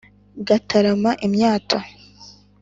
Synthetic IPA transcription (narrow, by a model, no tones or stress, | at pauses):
ɡatʰaɾamaʔimɲaːtʰa